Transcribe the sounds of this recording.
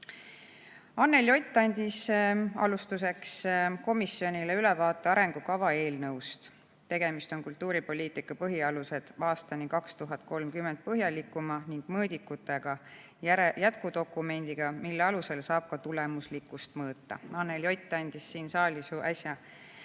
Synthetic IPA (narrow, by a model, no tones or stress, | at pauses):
ɑnːe̞ljo̞jt̪ːˑɑnʲd̪isɑ̰lust̪use̞ksko̞misːio̞nʲileylɛvɑːt̪ːˑe̞ɑɾe̞ŋɡ̥ukɑvɑe̞ːlnɤwst̪ | t̪e̞ɡ̥e̞mist̪o̞nkult̪ːˑuːɾipo̞lʲiːt̪ˑikːˑɑpɤɦiɑluse̞d̪̥ɑːst̪ɑnikɑkst̪uɦɑt̪̚ːˑko̞lmkymːent̪̚pɤɦjɑlikːˑumɑniŋɡ̥mɤːd̪̥ikːut̪ːˑe̞ɡ̥ɑ | jjæt̪kud̪̥o̞kːˑume̞nʲd̪̥iɡ̥ɑmilːeɑluse̞lsɑːb̥̚kɑt̪ulemuslikːˑust̪mɤːt̪ːɑ̰ɑnːe̞ljo̞jt̪ːˑɑnʲd̪̥isːiːnsɑːlʲisuʔɑsʲjɑ